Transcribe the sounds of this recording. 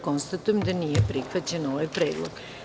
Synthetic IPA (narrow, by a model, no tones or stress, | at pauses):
ko̞nst̪at̪ujemd̪anijepɾixʋat͡ɕenoʋajpɾeːd̪lˠo̰ɡ̥